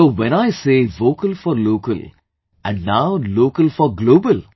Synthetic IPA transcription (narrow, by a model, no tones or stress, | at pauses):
oːʋɛ̃naɪseːʋoːkəlfɔɾloːkə̰l | ʔæ̰̃nɖnaʊloːkəlfɔɾɡloːbəl